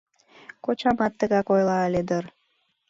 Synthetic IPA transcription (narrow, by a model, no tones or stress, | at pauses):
kot͡ɕɑmɑt̪ːəɣɑkojlɑəled̪ər